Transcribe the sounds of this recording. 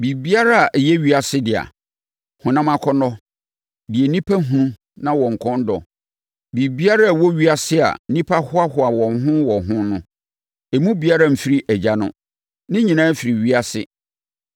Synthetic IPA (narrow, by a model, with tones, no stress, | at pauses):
bi˨bi˦a˦ɾa˦a˨ʔjɛ˦ɥi˦a˨sɪ˦dɪ˨a̰˨ | hʊ̃˨nã˦mã˦kʰɔ˦nɔ˦ | dɪ˨e˨nĩ˦pʰa˦ɦũ˨˦ũ˦ | nã˦wɔ̃˨ŋ̩˨kʰɔ̃˦n˦dɔ̰˨ | bi˨bi˦a˦ɾa˦˨wɔ˦ɥi˦a˨sɪ˦a̰˨˦nĩ˦pʰa˦hʊ˦a˦hʊ˦a˨wɔ̃˨nɦʊ̃˦wɔ˨ɦʊ̃˦nʊ̃˦ | e˨mũ˦bi˨a˦ɾa˦m̩˨fi˦ɾi˦æ˨d͡ʑa˦nʊ̰̃˦ | nɪ̃˦ɲĩ˨nãː˦fi˨ɾi˨ɥi˦a˦sɪ˦